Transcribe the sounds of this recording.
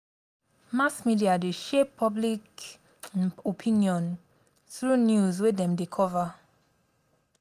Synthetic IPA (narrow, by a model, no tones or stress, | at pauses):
masmidiadeʃɛpʰɔblik | opʰĩnjɔ̃n | θɹunjuzwedɛ̃mdekʰɔva